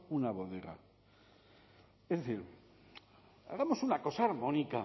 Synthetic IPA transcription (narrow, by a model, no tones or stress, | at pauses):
unaβo̞ðe̞ɣa̰ | ezðeθiɾ | a̰ɣamo̞sunako̞saːɾmõ̞nika